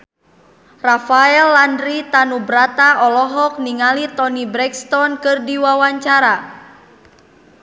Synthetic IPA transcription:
rafaɛlːandɾit̪anubɾat̪aʔɔlɔɦɔk̚niŋalit̪ɔnibɾɛkst̪ɔnkɨrdiwawaɲt͡ʃaɾa

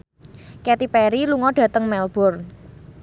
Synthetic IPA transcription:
kɛt̪ipɛɾiluŋɔɖ̥ä̤t̪əŋmɛlb̥ɔr

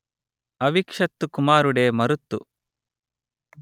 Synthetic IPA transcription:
ɐʋikʂɐt̪ːukumaːɾuɽe̞ːmɐɾut̪ːṵ

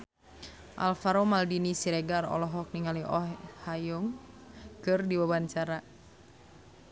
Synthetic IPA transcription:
ʔa̰lfaɾomaldinisiɾɛɡarɔ̰lɔɦɔk̚niŋaliʔɔhajɔŋ | kɨrdiwabant͡ʃaɾa

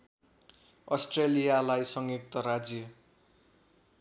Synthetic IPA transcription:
ʌsʈrelijalajsʌŋjik̚t̪ʌɾad͡zjʌ

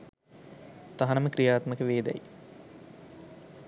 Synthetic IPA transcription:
t̪aɦɐnəməkɾijaːt̪məkəʋeːd̪æ̰j

